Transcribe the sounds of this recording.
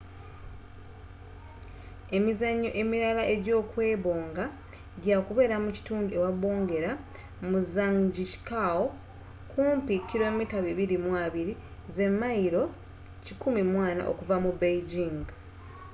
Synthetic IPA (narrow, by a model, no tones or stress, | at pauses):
e̞mizaɲːoʔe̞miɾalaʔe̞ɟo̞ːkwe̞ːβo̞ːŋɡa | ɟakuβe̞ːɾamuci̥tuːndue̞waβo̞ːŋɡe̞ɾa | muzaŋɟiʃi̥kao | kuːmpikːiɾo̞mitaβiβiɾimwaβiɾi | ze̞mːaiɾo̞ | cikumimwaːna̰ʔo̞̰kuvamubeiɟiŋɡ